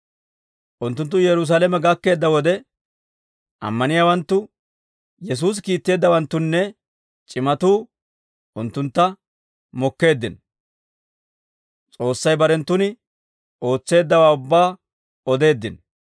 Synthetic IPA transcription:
ʔʊnt̪ːʊnt̪̬ːʊjɛɾʊs̬aːlɛmɛɡɐkːe̞ːd̪ːɐwɔd̪ɛ | ʔɐ̰mːɐnɪjaːwɐnt̪ːʊ | jɛs̬uːs̬kiːt̪ːe̞ːd̪ːɐwɐnt̪ːʊnːɛ | t͡ʃʼɪmɐt̪uː | ʔʊnt̪ːʊnt̪ːɐ | mɔkːe̞ːd̪ːɪn | t͡sʼo̞ːsːɐjbɐɾɛnt̪ːʊnɪ | o̞ːt͡sːe̞ːd̪ːɐwaːʊbːaː | ɔd̪e̞ːd̪ːɪn

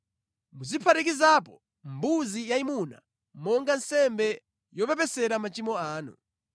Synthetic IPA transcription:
muzipʰatik̬izapɔ | mbuzijaimuna̰ | mɔŋɡansɛmbɛ | jɔpɛp̬ɛsɛɾamat͡ʃimɔaːnṵ

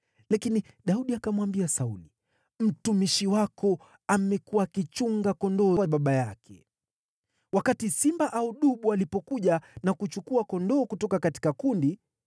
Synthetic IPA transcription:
lakini | ɗauɗiakamwambiasauli | m̩tumiʃiwakɔ | amɛkuwaːkit͡ʃuŋɡakɔndɔɓaɓajakʰɛ | wakatisimbaʔauɗuɓualipɔkuʄanakut͡ʃukuakɔndɔːkutɔkakati̥kakundi

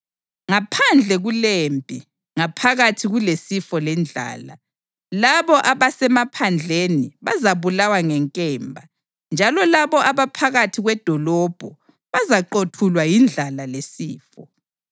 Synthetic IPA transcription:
ŋapʰand͡ɮʱɛɣulempʼi | ŋapʰaɣatʰiɣulesifɔlɛnd͡ɮʱa̰ːla̰ | laβɔʔaβasɛmapʰand͡ɮʱeniβazaβulawaŋɛŋkʼɛːmbʱa | nd͡ʒʱalɔlaβɔʔaβapʰaɣatʰiɣwɛd̥ʱɔlɔb̥ʱɔ | βazaǃotʰulwajind͡ɮʱalalesiːfɔ

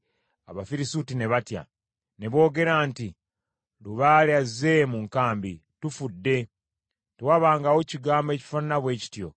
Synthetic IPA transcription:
aβafiɾisutine̞βatja̰ | ne̞βo̞ːɡe̞ɾanti | luβaːljazːe̞muŋkaːmbitufudːe̞ | tewaβaːŋɡawociɡaːmbe̞ːci̥fanunaβwe̞ːci̥tjo̞̰

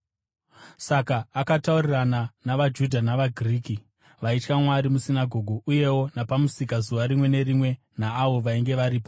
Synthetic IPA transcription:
sakaːkataurirananaʋad͡ʒudʱanaʋaɡʱriːki | ʋait͡ʃkamwaɾimusinaɡʱo̞ɡʱuʔuje̞wo̞napamusikazuʋaɾimwe̞ne̞rimwe̞ | naːʋo̞ʋaiŋɡe̞ʋaɾiːpo

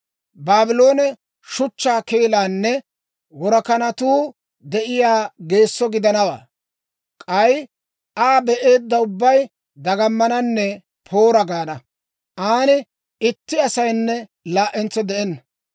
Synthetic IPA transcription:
baːbɪlo̞ːnɛ | ʃʊt͡ʃːaːkeːlaːnːɛ | wɔɾɐkɐnɐt̪uː | d̪ɛʔɪjaːɡe̞ːsːɔɡɪd̪ɐnɐwa̰ː | kʼɐj | ʔaːbɛʔe̞ːd̪ːɐʊbːɐj | d̪ɐɡɐmːɐnɐnːɛ | pʰo̞ːɾɐɡaːnɐ | ʔaːnɪ | ɪt̪ːɪɐsɐjnːɛlaːʔɛnt͡sɔd̪ɛʔɛnːɐ

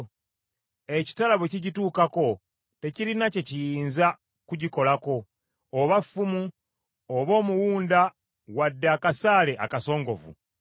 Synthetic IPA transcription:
e̞ci̥talaβweciɟituːkako̞ | te̞ciɾinace̞cijiːnza | kuɟiko̞lako̞ː | βafːumu | oβo̞ːmuwuːnda | wadːeakasaːle̞ʔakaso̞ːŋɡo̞̰vṵ

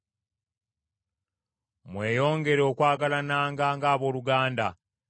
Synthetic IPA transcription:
mwe̞ːjo̞ːŋɡe̞ɾo̞ːkwaːɡalanaːŋɡaːŋɡaːβo̞ːluɡaːnda

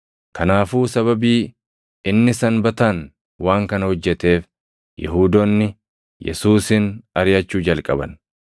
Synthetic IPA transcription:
kʰɐnaːfuːsɐβɐbiː | ɪnːɪsɐnbɐt̪aːn | waːŋkɐnɐhɔd͡ʒːɛt̪e̞ːf | jɛ̰ɦuːd̪onːɪ | jɛ̰suːsɪnɐɾɪjɐt͡ʃːuːd͡ʒɐlkʼɐbɐ̰n

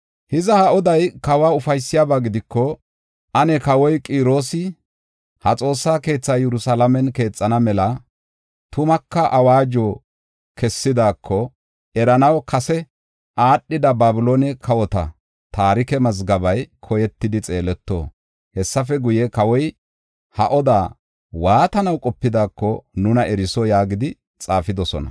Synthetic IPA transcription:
hɪzɐhɐʔɔd̪ɐjkɐwaːʊfɐjsːɪjaːbaːɡɪd̪ɪkːɔ | ʔɐnɛkɐwɔjkʼiːɾo̞ːsɪ | hɐt͡sʼo̞ːsːaːke̞ːt͡sːaːjɛɾʊsɐlɐmɛnke̞ːt͡sʼːɐnɐmɛlɐ | t̪ʊmɐkːɐʔɐwaːd͡ʒo̞ː | kɛsːɪd̪aːkʰːɔ | ɛɾɐnɐwkʰɐsɛ | ʔaːɗːɪd̪ɐbaːbʊloːnɛkʰɐwɔt̪ɐ̰ | t̪aːɾɪkɛmɐzɡɐbɐjkʰɔjɛt̪ːɪd̪ɪt͡sʼe̞ːlɛt̪ːo̰ː | hɛsːɐfɛɡʊjɛkɐwɔj | hɐ̰ʔɔd̪a̰ː | waːt̪ɐnɐwkʼɔpːɪd̪aːkːɔnʊnɐʔɛɾɪsɔjaːɡɪd̪ɪ | t͡sʼaːfɪd̪ɔsɔ̰nɐ̰

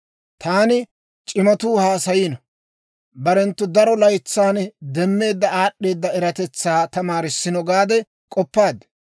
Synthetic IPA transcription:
t̪ʰaːnɪ | t͡ʃʼɪmɐt̪uːhaːsɐjiːnɐ | bɐɾɛnt̪ːʊd̪ɐɾɔlɐjt͡sːaːnd̪ɛmːe̞ːd̪ːɐaːɗːe̞ːd̪ːɐɛɾɐt̪ɛt͡sːaːt̪ɐmaːɾɪsːɪnɔɡaːd̪ɛ | kʼɔpːaːd̪ɛ

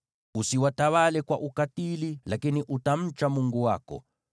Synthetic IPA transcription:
usiwatawalɛkwaʔukatililakiniʔutam̩t͡ʃamuŋɡuwa̰kɔ̰

